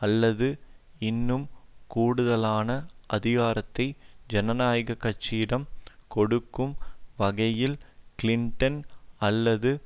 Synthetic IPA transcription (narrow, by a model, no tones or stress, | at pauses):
ɐlːɐðɯ | ɪnːɯmkuːɽɯðɐlaːnɐʔɐðɪɣaːɾɐt̪ːɐɪd͡ʒɛnɐnaːjɣɐkːɐʈt͡ʃːiːɽɐmkɔɽɯkːɯmʋɐɣɐjɪlkɪlɪɳʈɐnɐlːɐðɯ